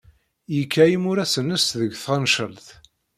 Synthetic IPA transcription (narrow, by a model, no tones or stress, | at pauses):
jəkʰːæjimʊɾæsənːəsðəɡθʁənʃəlθ